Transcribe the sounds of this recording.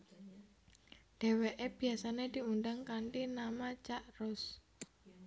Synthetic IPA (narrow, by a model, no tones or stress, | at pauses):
ɖ̥e̤weʔeb̥i̤asaned̪̥i̤unɖaŋkaɳʈinamat͡ʃaʔrʊs